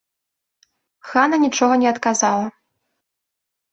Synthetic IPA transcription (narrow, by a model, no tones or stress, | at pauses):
xanɐnʲit͡ʂɔɣɐnʲɛɐt̪kazalˠɐ